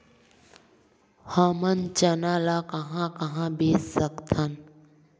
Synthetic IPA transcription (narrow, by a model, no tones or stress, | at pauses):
hamənt͡ʃɐnaːlaːkɐɦãkɐɦãːbeːssəkt̪ʰɐn